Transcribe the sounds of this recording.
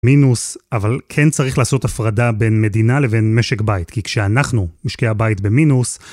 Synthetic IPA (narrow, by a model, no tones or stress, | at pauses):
minusavalkʰent͡saʁiχlaːso̞tafʁadabe̞nme̞dinale̞ve̞nme̞ʃekbaitkikʃeanaχnumiʃkeabaitbe̞minus